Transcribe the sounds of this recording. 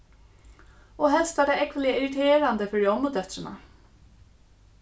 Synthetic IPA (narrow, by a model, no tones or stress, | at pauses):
oːɦɛlst̪æːɖeːɛkʋəlɪɪɾɪt̪ʰeːɾand̪əfɔɖiːɔməd̪œt̪ɾənɑ̰